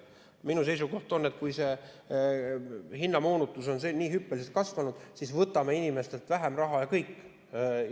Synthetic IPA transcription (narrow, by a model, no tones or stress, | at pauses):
minus̬e̞jsuko̞ht̪o̞nːe̞t̪̚ːkujse̞ | hinːɑmoːnut̪ːˑuso̞nsenːiːɦypːeliset̪̚kɑsvɑnud̪̥sisvɤt̪ːˑɑmeinime̞st̪e̞lt̪væɦemrɑɦɑjɑkɤjkː